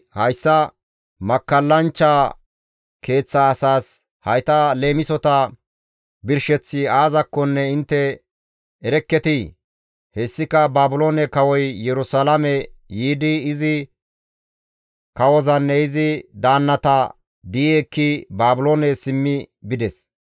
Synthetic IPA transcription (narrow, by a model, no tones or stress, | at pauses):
hɐjsːɐ | mɐkːɐlːɐnt͡ʃːaː | kʰe̞ːt͡sːɐːsaːs | hɐjt̪ɐle̞ːmɪsɔt̪ɐ | bɪɾʃɛt͡sːɪaːzɐkːɔnːɛɪnt̪ːɛ | ɛɾɛkːɛt̪ɪ | hɛsːɪkɐbaːbʊloːnɛkɐwɔjːɛɾʊsalɐmɛjiːd̪ɪːzɪ | kɐwɔzɐnːɛɪzɪd̪aːnːɐt̪ɐ | d̪iːɛkːɪbaːbʊloːnɛsɪmːɪbɪd̪ɛs